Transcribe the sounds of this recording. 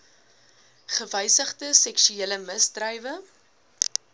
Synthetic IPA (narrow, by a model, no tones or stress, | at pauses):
χəvəjsəχtəsɛkʃyeːləməsdrəjvə